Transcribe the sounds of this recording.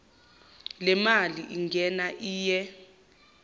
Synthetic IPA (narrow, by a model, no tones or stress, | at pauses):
lɛmaliʔiŋɡʱɛnaʔiːjɛ